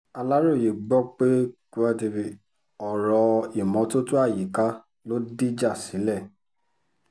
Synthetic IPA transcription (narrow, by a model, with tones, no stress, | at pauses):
a˧la˦ɾo˦˨je˨ɡ͡bɔ˦k͡pe˦ku˦a˧de˧bi˨ | ɔ˨ɾɔ˧i˨mɔ̃˧˦to˦tu˦a˦˨ji˨ka˦ | lo˦di˦d͡ʒa˦˨si˨˦lɛ˦˨